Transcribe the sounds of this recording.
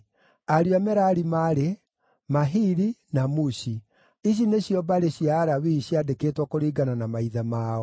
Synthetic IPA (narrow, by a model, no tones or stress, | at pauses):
aɾiamɛɾaɾimaɾe | maɦiɾinamuɕi | iɕ̬ineɕjɔbaɾeɕiaːɾawiɕiadeketwɔkoɾiːɡananamaiðamaːɔ